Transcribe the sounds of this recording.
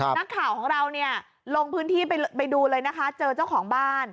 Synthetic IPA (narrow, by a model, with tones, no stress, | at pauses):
na˦˥kʰːaː˨˩˦wkʰɔː˩˦ŋɾa˧wni˥˩ɐ | lo˧ŋpʰɯː˦˥nt̪ʰiː˥˩pa˧pa˧jduː˧lɤː˧jna˦˥kʰa˦˥t͡ɕɤː˧t͡ɕa˥˩wkʰɔː˩˦ŋbaː˥˩n